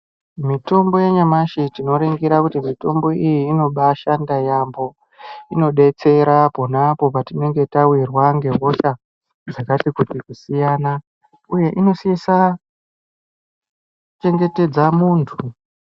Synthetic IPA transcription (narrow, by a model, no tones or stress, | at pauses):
mito̞mbo̞je̞ɲamaʃitino̞ɾiŋɡiɾakutimito̞mbo̞ijiːno̞ɓaʃandajambo̞ | ino̞ɗe̞t͡se̞ɾapo̞napo̞patine̞ŋɡe̞tawirwaŋɡe̞ɦo̞ʃa | d͡zakatikutikusijaːna | uje̞ʔino̞siisa | t͡ʃe̞ŋɡe̞te̞d͡zamuːntʰu